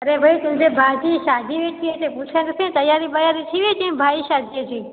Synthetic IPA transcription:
əɾeːʋəiːt̪ʊ̃d͡ʒeːbʱaːd͡ʒiːʃaːd̪ʱiːʋeːt̪ʰiʋeːt̪ẽːpuːt͡ʃʰãːnesẽːt̪əjaːɾiːbəjaːɾit̪ʰiːʋeːd͡ʒĩbʱaːiːʃaːd̪ʱied͡ʒĩː

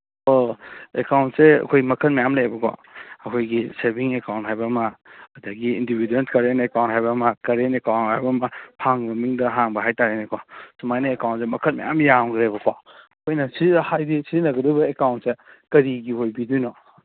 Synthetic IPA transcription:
oekawntseɐ̰kʰojmɐkʰɐt̚majamleebɐkʰɔ̰ːkʰojɡiseɾbiŋekawntɦajbɐmɐːdaɡiindibidenkɐɾenekawnthajbɐmɐkɐɾenekawntajbɐmɐpʰaŋmɐmiŋdɐɦaŋbɐɦajtaɾenekʰɔsumajnɐekawntsemɐkʰɐt̚ma̰ja̰mjamɡɾebɐkʰɔɐkʰojnɐsihajdisizinɐɡɐdɔjbɐekawntse | kɐɾiɡihojbidujnɔ

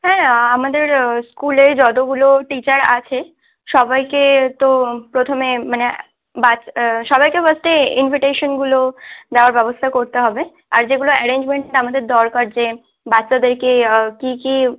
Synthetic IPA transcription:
ɦɛ̃amad̪eɾskuled͡ʑɔd̪oɡuloʈit͡ɕaɾa̰t͡ɕʰe | ʃɔbajket̪opɾot̪ʰomemane | baʃɔbajkefəsʈeinvʱiʈeʃonɡulod̪eoaɾbɛbost̪ʰakoɾt̪eɦɔbe | a̰ɾd͡ʑeɡuloɛɾend͡ʑmeɳʈʈamad̪eɾd̪ɔɾkaɾd͡ʑe | batːʃad̪eɾkekiki

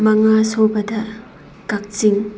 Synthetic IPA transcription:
mɐŋasobɐdɐ | kak̚t͡ʃiŋ

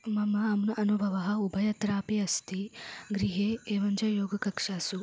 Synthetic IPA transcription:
mɐmɐɐmnɐʔɐnubʱɐʋɐɦɐ̆ubʱɐjɐt̪ɾaːpiɐst̪iɡɾiɦeːeːʋɐɲd͡ʒɐjoːɡɐkɐkʂaːsu

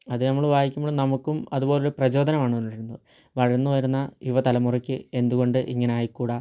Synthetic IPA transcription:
ɐðɨnɐmːɐɭʋaːjikʲːumːɐɭːnɐmukːumɐðubo̞ːleɾuprɐt͡ɕo̞ːd̪ɐnɐmaːɳɨʋonːɽɐɾunːɐðɨ | ʋɐɻɐɾnːuʋɐɾunːɐjuʋɐt̪ɐlɐmurɐkʲːɨe̞nd̪uɣo̞ɳɖɨʔḭŋːɐneaːjikːuːɽɐ

